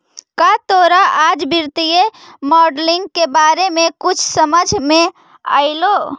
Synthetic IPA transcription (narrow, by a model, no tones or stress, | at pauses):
kat̪oɾaʔad͡ʒbiɾt̪ijemɔɖliŋɡkebaɾemekʊt͡ʃʰsəməd͡ʒʱme | a̰ɪlo